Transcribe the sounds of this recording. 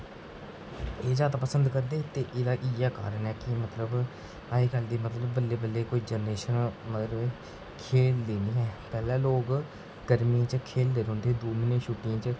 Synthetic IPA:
eːzaːd̪aːpəsənd̪kəɾd̪eːt̪eːʔɪd̪aːʔiːjaːka̰ːɾənɛːkɪmət̪ləb | aːeːkəld̪iːmət̪ləbːəlːeːbəlːeːkoːiːd͡ʒəneːʃənmət̪ləbe | kʰeːld̪eːniːɦɛːpɛːlãːloːɡ | ɡəɾmiãːt͡ʃkʰeːld̪eːɾõːnd̪eːd̪oːmɪneːʃuːʈɪjãːt͡ʃ

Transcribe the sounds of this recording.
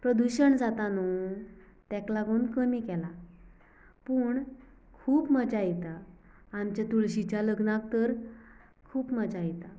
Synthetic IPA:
pɾəd̪uɕəɳd͡zat̪anu | t̪ɛklaɡonkəmikɛla | puɳ | kʰuːpmət͡ɕajit̪aː | mt͡ɕat̪uɭɕit͡ɕaləɡnak̚t̪əɾ | kʰuːpmət͡ɕajit̪a

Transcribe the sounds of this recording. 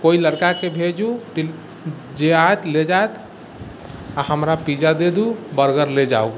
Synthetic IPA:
koiləɾkakebʱed͡ʒuʈi | d͡ʒeaet̪led͡ʒaet̪ | ahəmɾapid͡ʒad̪ed̪ubəɾɡəɾled͡ʒa̰u

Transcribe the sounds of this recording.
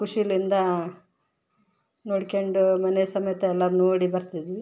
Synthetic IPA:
kuʂilind̪ɐ | noːɽkeɳɖumɐnesɐmɐjɐt̪ːeɛlːɐɾnoːɽibɐɾt̪id̪ʋi

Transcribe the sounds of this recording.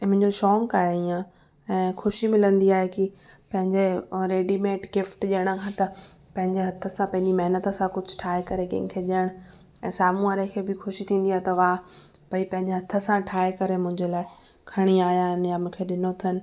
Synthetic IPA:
ɪmʊ̃ɲd͡ʑoʃɔːŋkaːɦeijã | ɛ̃ːxʰʊʃimɪlə̃nd̪iaːɦekipɐ̃ɦɪ̃ɲd͡ʑeɾeːɖimeːʈɡɪfʈʄiəɽ̃ə̆kʰãt̪ɐ | pɐ̃ɦɪ̃ɲd͡ʑeɦɐt̪ʰə̆sãpɐ̃ɦɪ̃ɲd͡ʑimɐɦɪnət̪ə̆sãkʊd͡ʑʱʊʈʰaːɦekɐɾekɐ̰̃ɪ̃kʰeːʄiəɽ̃ | ɛ̃ːsaːmũaːɾekʰeːbɪxʊʃit̪ʰĩːn̆d̪iaːɦet̪ɐʋaː | b̥ɐipɐ̃ɦɪ̃ɲd͡ʑeɦɐt̪ʰə̆sãʈʰaːekɐɾemʊ̃ɦɪ̃ɲd͡ʑelaːɪ | kʰɐɽ̃iaːɦjaːɦɪnjamʊ̃ːkʰeɗɪnot̪ʰɐnɪ̆

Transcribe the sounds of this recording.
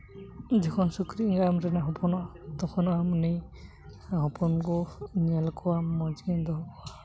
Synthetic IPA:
d͡ʒikʰɔnsukɾiŋɡamɾɛnaɦɔpʰɔnɔt̪ɔkʰɔnɔamni | ɦɔpʰɔnɡɔnialkʰɔwamɔd͡ʒind̪ɔ

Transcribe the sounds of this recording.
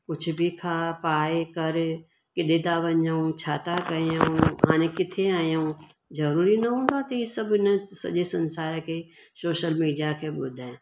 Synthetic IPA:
kʊt͡ʃʰbʱikʰaːpaːekəɾ | kɪɗed̪aːʋəɲd͡ʒaũt͡ʃʰaːt̪akɐjaũaːnekɪt̪ʰːeaːjaũ | d͡ʒɐɾuːɾinɐɦũːd̪at̪ojesəbɪnẽsɐ̰d͡ʒesə̃nsaːɾke | soːʃəlmiːɖijakʰebʊd̪ʱe

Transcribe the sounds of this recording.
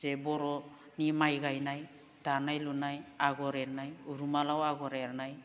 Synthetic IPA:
zɛbɔɾɔ | nimajɡajnaj | d̥anajlunajaɡɔɾɛɾnajuɾumalawaɡɔɾɛɾnaj

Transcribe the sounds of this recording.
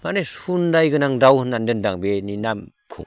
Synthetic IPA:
manesundajɡɯnaŋdawhɯnandɯndaŋbeninam | kʰṵŋ

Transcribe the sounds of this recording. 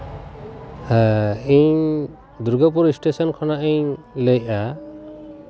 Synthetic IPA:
hɛiɲ | d̪uɾɡɔpuɾisʈesɔnkʰɔnaʔiɲlejʔa

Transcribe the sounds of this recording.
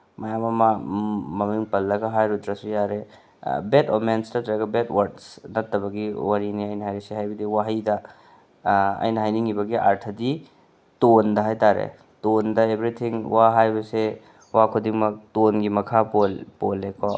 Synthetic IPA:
mɐjamɐmɐmɐmiŋpɐlːɐɡɐɦajɾutɾɐsujaɾe | betomenstɐtɾɐɡɐbetwɐɾdsnɐtːɐbɐɡiwaɾiniɐjnɐɦajɾɐseɦajbɐdiwaɦidɐ | ɐ̰jnɐɦajniŋibɐɡiʔaɾtʰɐdi | tondɐɦajtaɾḛ | tondɐebɾit̪ʰiŋwaɦajbɐse | wakʰudiŋmɐk̚tonɡimɐkʰapolpolːekʰɔ

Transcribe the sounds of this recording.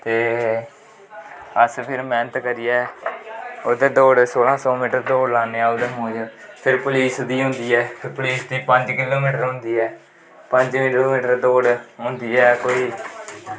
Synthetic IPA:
t̪eː | əspʰɪɾmɛ̃ːnət̪kəɾɪjɛː | od̪eːd̪oːɖsoːlãːsɔːmiːʈəɾd̪oːɖlãːneːaːod̪eːmõːd͡ʒ | pʰɪɾpʊliːsd̪iːɦʊ̃ːnd̪iːɛːpʰpʊliːsd̪iːpə̃ɲd͡ʒkɪloːmiːʈəɾɦʊ̃nd̪iːɛː | pə̃ɲd͡ʒmɪloːmiːʈəɾd̪oːɖɦʊ̃nd̪iːɛːkoːiː

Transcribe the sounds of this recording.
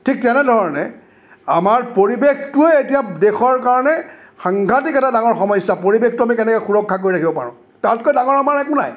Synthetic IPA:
tʰik̚tɛnɛdʱɔɹnɛ̰ | amaɹpoɹibextʊeetijadexɔɹkaɹɔnɛ | xaŋɡʱatikɛtadaŋɔɹxɔmɔjsapoɹibextuamikɛnɛkɛxuɹɔkʰːak̬oɹiakʰibɔpa̰ɹʊ̃ | tat̚kojdaŋɔɹamaɹɛkʊna̰j

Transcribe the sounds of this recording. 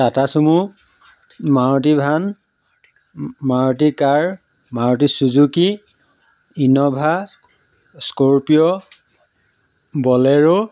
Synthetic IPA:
tatasumu | maɹɔt̬ibʱan | maɹɔt̬ikaɹ | maɹɔt̬isuzuki | inɔbʱa | skoɹpijɔ | bɔlɛɹu

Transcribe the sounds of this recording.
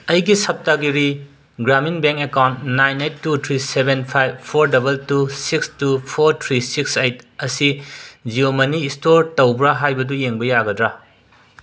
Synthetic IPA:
ɐjɡisɐp̚taɡiɾi | ɡɾaminbeŋkekawntnajnejtːutʰɾisebenpʰajbpʰoɾdɐbɐltusikstupʰoɾtʰɾisiksejtɐsid͡ʒiomɐniːstoɾtɐwbɾaɦajbɐdujeŋbɐjaɡɐdɾa

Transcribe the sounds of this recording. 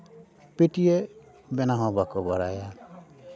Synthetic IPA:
peʈije | bɛnaɦɔbakɔbɔɾaja

